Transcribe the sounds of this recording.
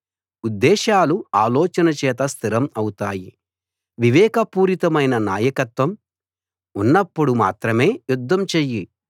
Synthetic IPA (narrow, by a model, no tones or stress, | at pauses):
ud̪ːɛːʃaːluaːlɔːt͡ʃɐnɐt͡ʃɛːt̪̬ɐst̪ʰiɾɐmɐwut̪aːji | ʋiʋɛːkɐpuːɾit̪ɐmɐjnɐnaːjɐkɐt̪ʋɐm | unːɐpːuɽuma̰ːt̪ɾɐme̞ːjud̪ʱːɐmt͡ʃeːji